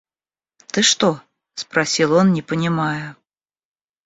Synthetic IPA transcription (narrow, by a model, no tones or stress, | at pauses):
t̪ɨʂt̪ɔ | spɾasʲilˠɔnnʲɪpənʲɪmajʊ